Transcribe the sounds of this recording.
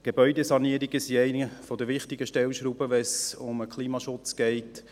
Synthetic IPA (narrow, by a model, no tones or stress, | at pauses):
ɡ̥ebœʏdesɑniəɾiɡəsiɛɪnəfɔdəɾʋɪχtɪɡəʃtɛlʃɾuːbəʋɛsʊməkχliːmɑʃʊt͡sɡ̥ɛɪt